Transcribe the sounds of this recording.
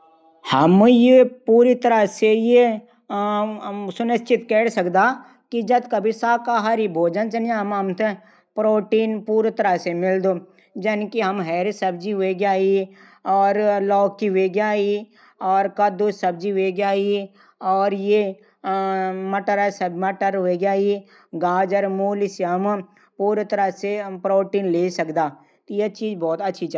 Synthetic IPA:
hɐmjepuːɾit̪əɾəseje | sʊnɪst͡ʃɪt̪kɛːɽsəkd̪aː | kid͡ʒɐd̪kɐbʱisaːkaːɦaːɾibʱoːd͡ʒənt͡ʃɐnjeɦɐmɦɐmt̪e | pɾoːʈiːnpuːɾt̪ɐɾəsemɪld̪oː | d͡ʒɐnkiɦɐmɦɛːɾsɐb̚d͡ʒiʋeːɡjaːi | ɔːɾlɔːkːiʋeːɡjaːi | ɔːɾkɐd̪osɐb̚d͡ʒiʋeːɡjaːi | ɔːɾje | mɐʈəɾasɐbmɐʈəɾʋeːɡjaːi | ɡaːd͡ʒəɾmoːlisiəm | puːɾt̪əɾasepɾoːʈiːnleːsɐkd̪aː | t̪ojet͡ʃiːzbɔːt̪ɐtːʃʰit͡ʃː

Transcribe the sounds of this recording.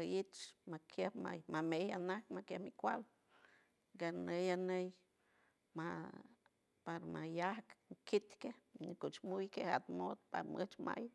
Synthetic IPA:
ait͡ʃmakjehma̰mamejanahkmakjehmikʷal | ɡanejanej | ma | paɾmajahkŋkit̪kehɲikuʔt͡ʃmujkeha̰t̪mod̪pa̰ɾmɨt͡ʃma̰j

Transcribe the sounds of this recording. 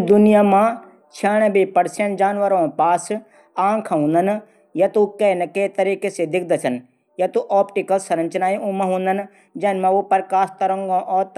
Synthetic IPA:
d̪ʊnijaːmã | t͡ʃʰaːɳ̃əbipɐɾsẽɳʈd͡ʒaːnʋəɾõpaːs | ãːŋkʰaɦũːnd̪ən | jɐt̪ukenɐket̪ɐɾiːkesed̪ɪk̚ʰd̪ɐt͡ʃʰɐn | jɐt̪uʔɔːpʈikəlsɾɐ̃ɲt͡ʃnaːĩũmɐ̃ɦũːn̆d̪ən | d͡ʒɐːnmɐ̃ʋopɐɾkaːst̪ɐɾə̃ŋɡõʔɔːt̪

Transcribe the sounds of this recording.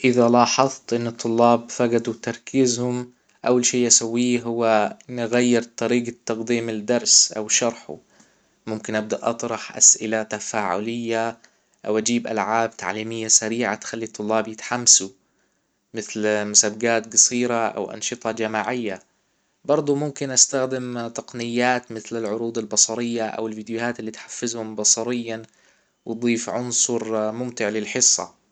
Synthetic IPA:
ʔɪðalɑːħɑðt̪ˤʔɪnːɨt̪ʰˤːʊlːɑːbfaɡad̪ut̪ɑɾˤkɪzhʊm | ʔawːalʃiːʔasawːiːɦʊwːanɪɣajːɪɾt̪ˤɑɾiːɡt̪ːɑqd̪iːmɪld̪ɑɾˤsʔa̰wʃɑɾˤħṵ | mʊmkɪnʔab̚d̪aʔɑt̪ˤɾˤɑħʔa̰sʔɪlat̪afaːʕʊ̰lɪjːa | ʔawʔad͡ʒiːbʔa̰lʕaːb̚t̪ʰa̰ʕliːmɪjːasaɾiːʕa̰t̪xalːit̪ˤːʊlːɑːbjɪt̪ħamːasu | mɪθlmʊsabɡaːt̪ɡɑsˤiːɾaʔa̰wʔɑ̰nʃɨt̪ˤɑd͡ʒamaːʕɪjːa | bɑɾˤd̪ˤumʊmkɪnʔast̪axd̪ɪmt̪ɑqnɪjːaːt̪mɪθlalʕʊɾuːd̪albɑsˤɑɾɪjːaʔa̰wɪlviːd̪jʊhaːt̪ɪlːiːt̪ħḁfːɪzhʊmbɑsˤɑɾɪjːan | wd̪ˤiːfʕʊnsˤʊɾmʊmt̪ɪʕlɪlħɪsːɑ̰

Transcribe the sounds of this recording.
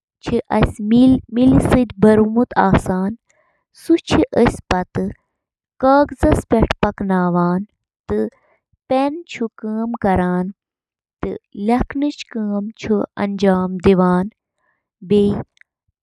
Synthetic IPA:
t͡ʃʰiʔɐsʲmimilsɨd̪ʲbɐɾumut̪ʰaːsaːn | sut͡ʃʰiʔəsʲpɐt̪ɨ | kaːɡzɐspeʈʰpɐknaːʋaːn | t̪ɨ | pent͡ʃʰukəːmkɐɾaːn | t̪ɨ̰lʲɐkʰnɨt͡ʃʰkəːmt͡ʃʰuɐ̰nd͡ʒaːmd̪iʋaːn | bei

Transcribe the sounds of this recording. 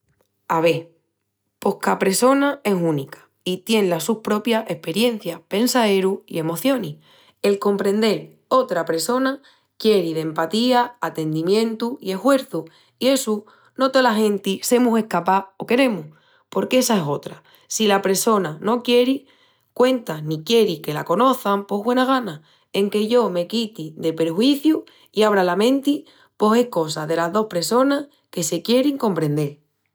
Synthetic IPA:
aβe̞ | po̞hkapɾe̞so̞nae̞sũnikḁ | it̪je̞nlasuhpɾo̞pjae̞hpe̞ɾje̞n̟θjahpe̞nsae̞ɾuḭe̞mo̞θjo̞ni | e̞lko̞mpɾẽ̞nd̪e̞ɾ | o̞t̪ɾapɾe̞so̞na | kje̞ɾiðe̞mpat̪iaːt̪e̞nd̪imjẽ̞nt̪uie̞hwe̞ɾθu | ie̞su | no̞t̪olaɦẽ̞nt̪ise̞muse̞hkapao̞ke̞ɾe̞muh | po̞ɾke̞sae̞so̞t̪ɾa | silapɾe̞so̞nano̞kje̞ɾi | kwe̞nt̪anikje̞ɾike̞lako̞no̞θampo̞ɦβwe̞naɣ̞ana | e̞ŋke̞ʝo̞me̞kit̪iðe̞pe̞ɾxwiθju | iaβ̞ɾalamẽ̞nt̪i | po̞se̞hko̞saðe̞lazðo̞hpɾe̞so̞nah | ke̞se̞kje̞ɾiŋko̞mpɾe̞nd̪e̞ɾ

